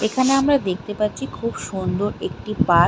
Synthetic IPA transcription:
ekʰaneamɾad̪ek̚t̪epatːɕʰikʰubʃund̪oɾek̚ʈipa

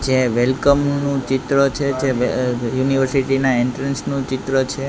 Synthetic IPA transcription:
d͡ʒeʋelkəmnũt͡ʃit̪ɾət͡ʃʰed͡ʒeʋejuniʋəɾsiʈinaeɳʈɾə̃nsnũt͡ʃit̪ɾət͡ʃʰe

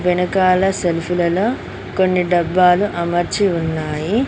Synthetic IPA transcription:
ʋɛnɐkaːlɐselpʰulɐlo̞ː | ko̞nːiɖɐbːaːluʔɐmɐɾt͡ʃiunːaːji

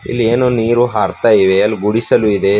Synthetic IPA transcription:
ḭlːieːnuniːɾuɦaːɾt̪aːjiʋeɐlːiɡuɽisɐluid̪e̞

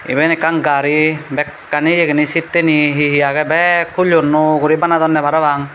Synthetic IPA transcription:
ḭbenikaŋɡaɾibɛkːanijeɡenisit̪ːeniɦiɦijaɡɛbɛkʰuʎunːuɡuɾibanad̪ɔnːɛbaɾaʋaŋ

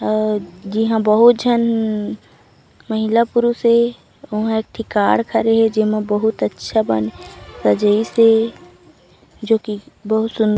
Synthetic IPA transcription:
d͡ʒiɦãbəɦʊt̪̚d͡ʒʱən | məɦɪlapʊɾuse | ʊɦãeːk̚ʈʰɪkaːɽkʰəɾeɦɛd͡ʒɪmẽbəɦʊt̪ətːʃʰabə̰nsɐd͡ʒəise | d͡ʒoːkibəɦʊt̪sʊ̃n

